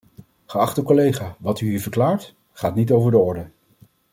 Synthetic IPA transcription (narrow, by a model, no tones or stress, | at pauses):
χəɑχtəkɔlejχaːʋɑtyɦiːɹvəɹklaːɹt | χaːtnitowvəɹdəɔɹdə